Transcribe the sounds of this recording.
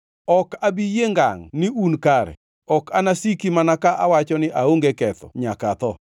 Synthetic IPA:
ɔkabijeŋɡa̰ŋnɪunkaɾɛ̰ | ɔkanasikimanakaʔawat͡ʃɔnɪʔaoŋɡekɛt̪ɔ̰ɲakat̪ɔ

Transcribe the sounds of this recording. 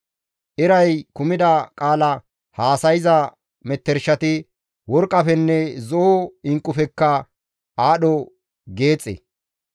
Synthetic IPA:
ʔɪɾɐjkʊmɪd̪ɐkʼaːlɐ | haːsɐjɪzɐ | mɛt̪ːɛɾʃɐt̪ɪ | wɔɾkʼːɐfɛnːɛzɔɔɪŋkʼːʊfɛkːɐ | aːɗɔ | ɡe̞ːt͡sʼːḛ

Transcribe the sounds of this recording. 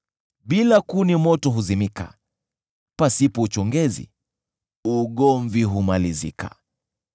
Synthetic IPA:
ɓilakunimɔtɔɦuzimika̰ | pasipɔut͡ʃɔŋɡɛzḭ | uɠɔɱviɦumalizḭka̰

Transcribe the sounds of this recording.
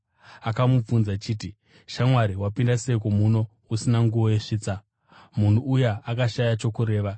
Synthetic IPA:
akamup͡funzat͡ʃiːt̬i | ʃamwaɾiwapindasekumuno̞ | usinaŋɡuʋo̞je̞ʂiːt͡sa | mun̤uujeakaʃajat͡ʃo̞kuɾe̞ːʋa

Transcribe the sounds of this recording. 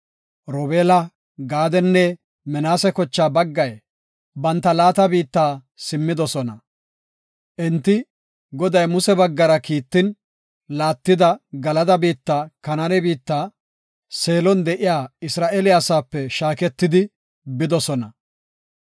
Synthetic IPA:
ɾɔbeːlɐ | ɡaːd̪ɛnːɛ | mɛnaːsɛkɔt͡ʃːaːbɐɡːɐj | bɐnt̪ːɐlaːt̪ɐbiːt̪ːaː | sɪmːɪd̪ɔsɔnɐ | ʔɛnt̪ːɪ | ɡɔd̪ɐjmʊsɛbɐɡːɐɾɐkiːt̪ːɪn | laːt̪ːɪd̪ɐɡɐlɐd̪ɐbiːt̪ːaːkɐnɐnɛbiːt̪ːaː | se̞ːlɔnd̪ɛʔɪjaːɪsɾaːʔelɪasaːpːɛʃaːkɛt̪ːɪd̪ɪ | bɪd̪ɔsɔnɐ

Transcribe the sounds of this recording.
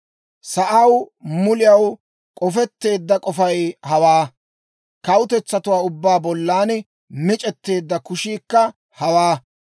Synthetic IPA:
sɐʔɐwmʊlɪjɐw | kʼɔfɛt̪ːe̞ːd̪ːɐkʼɔfɐjhɐwaː | kɐwʊt̪ɛt͡sːɐt̪ʊwaːʊbːaːbɔlːaːnɛ | mɪt͡ʃʼɛt̪ːe̞ːd̪ːɐkʊʃiːkːɐ | hɐwaː

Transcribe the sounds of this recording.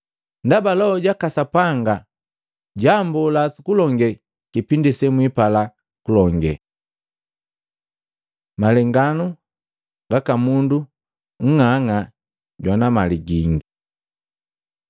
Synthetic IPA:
ndabalɔɔɟakasapaŋɡa | ɟambulasukulɔŋɡɛ | kipindisɛmwipala | kulɔŋɡɛ̰ | malɛŋɡanu | ɡakamundu | ŋ̩ŋaŋa | ɟwanamaliɡiŋɡi

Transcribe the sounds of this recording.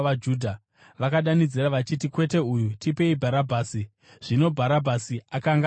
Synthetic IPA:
ad͡ʒudʱa | ʋakaɗanid͡ziraʋat͡ʃitikwe̞te̞ujutʰipe̞ibʱaɾabʱaːsi | ʐ̥ino̞bʱaɾabʱasiakaŋɡ

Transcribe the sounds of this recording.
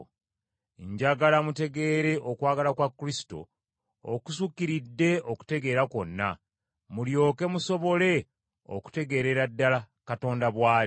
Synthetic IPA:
ɲɟaɡalamute̞ɡe̞ːɾe̞ʔokwaːɡalakwakːulisi̥to̞̰ː | kusukːiɾidːe̞oku̥te̞ɡe̞ːɾako̞nːa̰ | muljo̞ːke̞muso̞βo̞le̞ | o̰ku̥te̞ɡe̞ːɾe̞ɾadːala | kato̞ːndaβwaː

